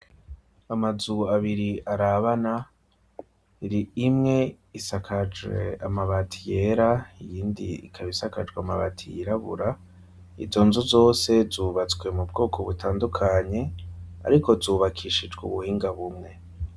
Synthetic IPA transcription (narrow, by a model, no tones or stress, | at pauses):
amazuaβiɾiʔaɾaβana | iɾiːmŋe̞ | isakʰad͡ʒwḛamaβatʰije̞ɾaijiːndḭḭkʰaβisakad͡ʒɡwamaβatʰijiɾaβṵɾa | ḭzo̞nzuzo̞ːse̞zuːβat͡sɡwe̞mub̚ɡo̞ːkʰo̞βutʰaːndukʰaɲe̞a̰ɾiko̞zuːβakʰiːʃid͡ʒɡṵβuhiːŋɡaβumŋe̞